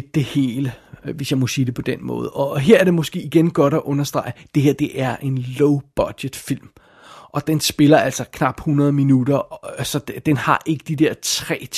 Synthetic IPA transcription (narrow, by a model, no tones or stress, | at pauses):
d̥e̝he̝̰ːləʋesjɑ̈ɪmɒ̽siːd̥e̝pʰɒ̽d̥enmɔ̰̽ːð̞̩ˠɒ̽ɦeɐ̰æɐd̥e̝mɔ̽sɡ̥e̝̰ːiɡ̥enɡ̥ɒ̽ɾ̥æʔɔ̽nɐsd̥ʁɑ̈ɪəd̥e̝heɐ̰d̥e̝ʔæɐʔe̝nloʊb̥ɒd̥jed̥fil̰m | ʔɒ̽d̥ensb̥e̝lɐæl̰sɐkʰnɑ̈b̥hunɐð̞ˠminud̥ɐsɒ̽d̥enhɑ̈ʔe̝ɡ̥əd̥id̥eɐt͡sʰʁɛ̰ː